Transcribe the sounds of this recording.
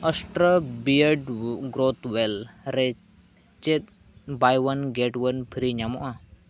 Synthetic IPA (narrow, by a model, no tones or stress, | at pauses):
əsʈɾəbiəɖɡɾot̪wɛlɾɛ | t͡ʃɛt̪̚ | bajwənɡeʈwənpʰiɾiɲamɔʔa